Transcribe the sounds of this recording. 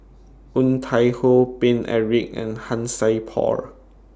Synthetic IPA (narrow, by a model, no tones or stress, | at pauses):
ũnt̪ʰajhopẽnʔɛ̰ɹik̚ɛ̰̃nhãnsajpʰɔ̰ɹ